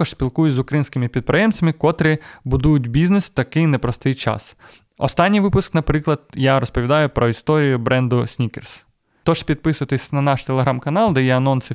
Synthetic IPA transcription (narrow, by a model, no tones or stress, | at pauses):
ɔʃsʲpʲilˠkujʊzʊkɾɐjinʲsʲkɪmɪpʲid̪̚pɾejɛmt͡sʲɐmɪkɔt̪ɾɪbʊd̪ujʊtʲbʲiznest̪ɐkɪjnɛpɾɔst̪ɪjt͡ʃɑ̰s | ɔ̰st̪ɑnʲːijʋɪpʊsknɐpɾɪklˠɐd̪̚jaɾɔspɔʋʲid̪ɑjʊpɾɔist̪ɔɾʲijʊbɾɛnd̪ʊsʲnʲikers | t̪ɔʒ̥spʲid̪̚pɪsʊʋɐt̪ɪsʲnɐnɑʃt̪elˠeɦɾɑmkɐnɑlˠd̪ɛjɛɐnɔnsɪ